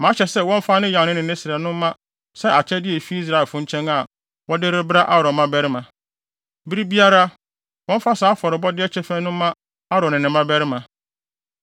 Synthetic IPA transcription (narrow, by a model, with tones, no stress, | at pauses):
mã˨˦ɕɛ˨sɛ˦wɔ̃˦m˦fa˦nɪ̃˦jã˨nɪ̃˦nɪ̃˨nɪ̃˦sɪ˨ɛ˨nʊ̃˦mː˦ã˦ | sɛ˦ʔa˨t͡ɕʰɛ˦dɪ˦ɛ˨fi˦i˦s̬ɾa˨ɛ˨fʊ̃˦ɲ̩˦t͡ɕʰɛ̃˦ŋa˨ | wɔ˦dɪ˦ɾɪ˦bɾa˦ʔa˦ɾɔ̃˨mã˦bæ˦ɾɪ˦mã˨ | bi˦ɾi˦bi˦a˦ɾa˦ | wɔ̃˦m̩˦fa˦saː˨˦fɔ˨ɾɪ˨bɔ˦dɪ˦ɛ˦t͡ɕʰɛ˦fɛ̃˦nʊ̃ː˦ã˦ | a˦ɾɔ̃˨nɪ̃˨nɪ̃˨mã˦bɛ˦ɾɪ˦mã˨